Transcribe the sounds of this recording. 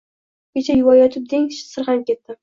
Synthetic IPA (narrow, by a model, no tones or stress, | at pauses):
kʲet͡ʃʰajʊwɒjɒt̪ʰɪp̚d̪eŋʲʃsɨɾhankʲe̞t̪ːɪ